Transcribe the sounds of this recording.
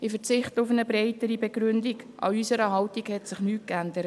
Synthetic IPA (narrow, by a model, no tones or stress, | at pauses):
ɪfəɾt͡sɪχtʊfənəbɾeɪtəɾibɛɡɾʏndiɡʔɑ̰ysəɾəɦɑwtiɡhɛtsɪχnyːt̚kændəɾət